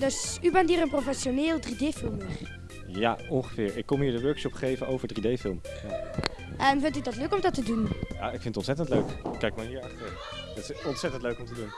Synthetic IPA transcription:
døsybɛntiːrənprofɛsjoneːlˠdrideːfɪlˠmir | ja̰ɔŋχəvɪːɹɪkːɔmɦiːɹdəʋøɹkʃɔpχejvənʔowvəɹdridejfɪlˠm | ja | ʔəmvɪntydɑtløkɔmdɑtədunja̰ɪkfɪntətɔ̃ntsɛtəntløɥkkɛjkmaɦiːɹɑχtərə | d̥tɪsɔntsɛtəntløɥkɔmtədun

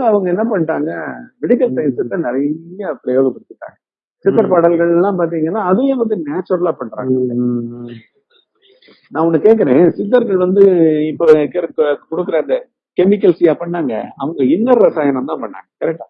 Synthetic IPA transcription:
ɐɐʋɐŋɡɐɛnːɐpɐɳʈːaːŋɡɐʋɛɽɪkːɐlsɐɪnsɪt̪ːɐnɪɾɐjɐpːɽɐjoːʋɯkʊɽɯt̪ːɯʈːa̰ːŋɡɐ | sɪt̪ːɐɾpɐɽɐlɣɐɭɛlːãːpaːɾt̪̬iːŋɡɐnːãːðɯjẽːʋɐnd̪ɯneːt͡ʃːoɽɐlaːpɐɳːɾa̰ːŋɡ | nãːʊnːɐkːeːk̬ɪɾẽːsɪt̪̬ːɐɾɣɐɭʋɐnd̪ɯɪpːokːɐɾkːkɔɽɯkːɯɾɐɐnðd̪ɐ | kɛmɪkːɐlsɪjaːpɐɳːaːŋɡɐ̰ɐʋɐŋɡɐɪnːɐɾɾɐsaːjɐnɐmt̪ãːpɐɳːa̰ːŋɡɐkɐɾɛk̚ʈːaː

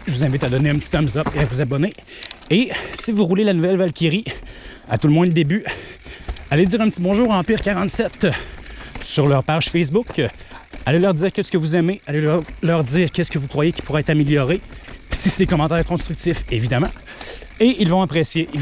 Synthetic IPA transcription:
ʒəvuzɛ̃vɪt̪ad̪ɔneɛ̃pət̪i̥t̪ɔmzɔpeavuzabɔne | esivuʁulelanuvɛlvalkʲiʁi | a̰t̪uləmwɛ̃əd̪eby | aled̪iːʁɛ̃pt̪ibɔ̃ʒuːʁɑ̃piːʁkʲaʁɑ̃t̪sɛt̪ | syʁlœʁpaʒ̥fɛs̬bʊk | alelœʁd̪ziːʁkʲɛskəvuzɛmealelœʁd̪iːʁkʲɛskəvukʁwajekʲi̥puʁɛɛt̪amiljɔʁesised̪ekɔmɑ̃ːt̪ɛːʁkɔ̃st̪ʁyk̚t̪ifevid̪amã | eilvɔ̃apχesje

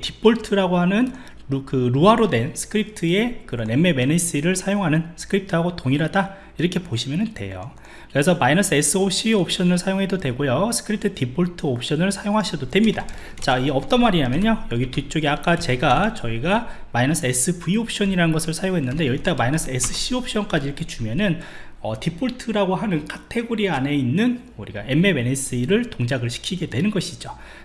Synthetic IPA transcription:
tip͈oɭtʰɯɾaɡoɦanɯn | kɯɾuaɾodwe̞nsʰɯ̥kʰɯɾip̚ʰtʰɯe̞kɯɾʌne̞mːe̞me̞neɕ͈iɾɯɭsʰajoŋɦanɯnsʰɯ̥kʰɯɾip̚tʰɯɦaɡotoŋiɾɦada | iɾʌkʰe̞poɕʰimjʌnɯndwe̞̰jo̰ | kɯɾe̞sʰʌmainʌsʰɯes͈ɯopʰɕ͈iop̚ʰɕ͈ʌnɯɭsʰajoŋɦe̞dodwe̞ɡojosʰɯ̥kʰɯɾip̚tʰɯtip͈ʰoɭtʰɯopʰɕ͈ʌnɯɭsʰajoŋɦaɕʰidodwe̞mɲida | t͡ɕaiʌp̚t͈ʌnmaɾiɾamjʌɲojʌɡitʰit͡ɕ͈oɡiak͈at͡ɕe̞ɡat͡ɕʌiɡamainʌsʰɯes͈ʰɯpuiop̚ʰɕ͈ʌɲiɾanɯnɡʌsʰɯɭsʰajoŋɦe̞nːɯnde̞jʌɡit͈amainʌsʰɯes͈ʰɯɕ͈ʰiopʰɕ͈ʌnk͈ad͡ʑiɾʌkʰe̞t͡ɕumjʌnɯn | ʌ̰tipʰoɭtʰɯɾaɡoɦanɯnkʰatʰe̞ɡoɾiane̞inːɯn | uɾiɡa̰ʔeme̞me̞nes͈iɾɯɭtoŋd͡ʑaɡɯɭɕʰi̥kʰiɡe̞dwe̞nɯnɡʌɕʰid͡ʑo

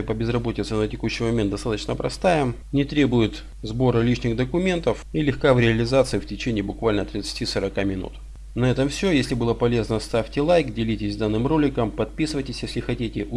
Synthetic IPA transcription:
ɪpəbʲɪzrɐbo̞tʲɪt̪sənətʲɪkuɕːɪjmɐmʲent̪d̪ɐst̪at̪ət͡ɕnəpɾɐ̰st̪ajəm | nʲɪt̪ɾʲe̞bʊjɪt̪ | zbo̞ɾəlʲiʂnʲɪɣd̪əkʊmʲe̞nt̪əfilʲɪxkavɾʲɪɐlʲɪzat̪sɨɪftʲɪt͡ɕenʲɪːbʊkvalʲnət̪ɾʲɪt̪sɨ̥tʲisəɾɐkamʲɪnṵt̪ | nɐɛt̪əmfsʲojesʲlʲɪbɨlˠəpɐlʲe̞znəst̪afʲtʲɪlˠajkdʲɪlʲitʲɪzʲd̪anːɨmro̞lʲɪkəmpɐt̪̚pʲisɨvəjtʲɪsʲjesʲlʲɪxɐtʲitʲɪʔʊ

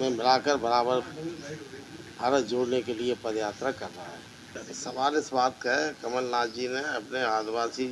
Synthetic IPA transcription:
mẽmɪlaːkəɾbɐɾaːbəɾ | aːɾəd͡ʒoːɽnekeliepɐd̪jaːt̪ɾakɐɾna̰ɦɛː | sɐbaːlɪsbaːt̪kaekɐməlnaːd͡ʒineɐpneaːd̪baːsi

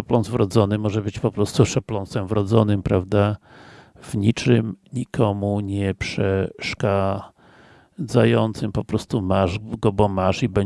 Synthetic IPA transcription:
ɔplɔnt̪vɾɔd̪zɔnɘmɔʐɛbɘt͡ɕpɔpɾɔst̪uʂɛplɔnsɛmvɾɔd̪zɔnɘmpɾavd̪a | vɲit͡ʂɘmɲikʰɔmuɲɛpʂɛʂka | d̪zajɔnt̪sɘmpɔpɾɔst̪umaʐɡɔbɔmaʂibɛɲ

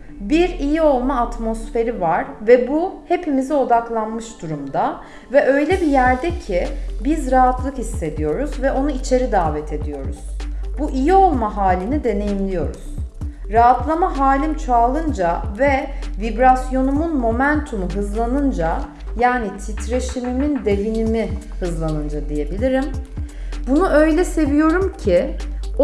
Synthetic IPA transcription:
biɾijio̞lˠmaːt̪mo̞sfe̞ɾivaɾ̥vɛbuhe̞pʰimizio̞d̪aklˠanmɯʃd̪uɾumd̪a | vɛʔø̞jlʲɛbijæɾd̪ɛcʰibizɾaɦat̪lˠɯkhisːe̞d̪ijo̞ɾuzvɛʔo̞nuit͡ʃʰe̞ɾid̪aːvɛt̪ʰe̞d̪ijo̞ɾuz̥buʔijio̞lˠmaɦaːlʲinid̪e̞ne̞jimlʲijo̞ɾuz̥ | ɾaɦat̪lˠamaɦaːlʲimt͡ʃʰaːlˠɯnd͡ʒavɛvibɾasjo̞numunmo̞mænt̪ʰumuɦɯzlˠanɯnd͡ʒa | jaːnit̪ʰit̪ɾe̞ʃimimind̪e̞vinimihɯzlˠanɯnd͡ʒad̪ije̞bilʲiɾim | bunuʔø̞jlʲɛse̞vijo̞ɾumcʰɪ

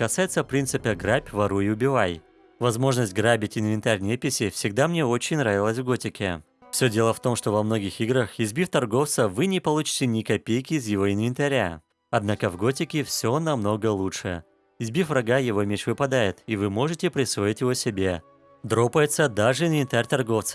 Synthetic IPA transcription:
kɐsajɪt̪səpɾʲint̪sɨpʲəɡɾapʲvɐɾuɪʊbʲɪvaj | vɐzmo̞ʐnəsʲtʲɡɾabʲɪtʲɪnvʲɪnt̪arʲnʲepʲɪsʲɪfsʲɪɡ̚d̪amnʲe̞o̞t͡ɕɪnʲnɾavʲɪlˠəsʲvɡo̞tʲɪkʲɪ | fsʲɵdʲe̞lˠəft̪o̞mʂt̪o̞vɐmno̞ɡʲɪxiɡɾəxɪzʲbʲift̪ɐrɡo̞ft̪səvɨnʲɪpɐlˠut͡ɕɪ̥tʲɪnʲɪkɐpʲejkʲɪːzjɪvo̞ɪnvʲɪnt̪ɐɾʲa̰ | ɐd̪nakəvɡo̞tʲɪkʲɪfsʲo̞nɐmno̞ɡəlˠuʂɨ | ɪzʲbʲifvrɐɡajɪvo̞mʲet͡ɕvɨpɐd̪ajɪt̪ɪvɨmo̞ʐɨtʲɪpɾʲɪsvo̞ɪtʲjɪvo̞sʲɪbʲe̞ | d̪ɾo̞pəjɪt̪səd̪aʐɨɪnvʲɪnʲt̪arʲt̪ɐrɡo̞ft̪sə̥

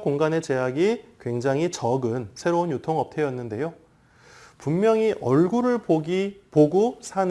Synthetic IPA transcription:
koŋɡane̞t͡ɕe̞ɦaɡikwe̞ŋd͡ʑaŋɦit͡ɕʌɡɯnsʰe̞ɾounjutʰoŋʌp̚tʰe̞jʌnːɯnde̞jo | pummjʌŋiʔʌɭɡuɾɯɭpoɡipoɡusʰan

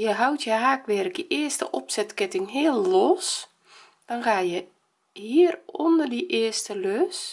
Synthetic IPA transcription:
jəɦawtʰjəɦaːkʋɛrəkdiʔɪəstə̰ʔɔpsɛtkɪtɪŋɦiəlˠːɔs | d̥ɔnxaːjə | hiərondərdiʔɪəstəløs

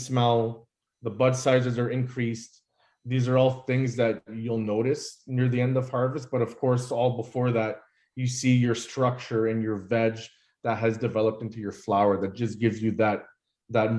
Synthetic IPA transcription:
smɛlˠ | ðəbʌdsaɪzɨzə˞ɨ̃nkʰɹ̥ist | ðizə˞ɔlˠθɪ̃ŋzðɨt͡ʃulˠnoʊɾɨsnɪɹðiɛ̃ndʌv̥hɑɹvɨst̚b̥ʌɾʌv̥kʰɔɹsɔlˠbəfɔɹðæt͡ʃ̚ | jɨsijə˞stɹ̥ʌk̚t͡ʃə˞ɨ̃njə˞vɛd͡ʒ | ðɨt̚ɦɨzdɨvɛlˠəp̚tɪ̃ntʉjə˞flaʊə˞ðɨt̚d̥ʒ̥ʌsɡ̥ɪvzjɨðɨt̪̚ | ðɨt̚

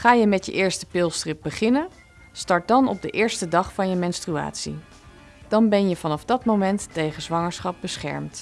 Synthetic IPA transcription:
χaːjəmɛtjə̰ʔɪːɹstəpɪlˠstrɪp̚bəχɪnən | stɑɹt̚dɑnɔ̰b̚dəʔɪːɹstədɑχfɑnjəmɛnstrya̰ːtsḭ | d̥ɑnbɛnjəvɑnɑfdɑtmomɛntːejχəzʋɑŋəɹsχɑp̚bəsχɛ̰ɹmt

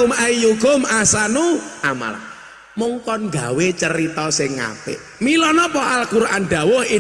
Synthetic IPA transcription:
majjukʊmasanuʔama̰l | muŋkɔnŋɡawet͡ʃəɾit̪ɔsɪŋːa̰pɪ̰ʔ | milɔnɔpɔʔalkuɾʔanɖ̥̪a̤wʊhɪ

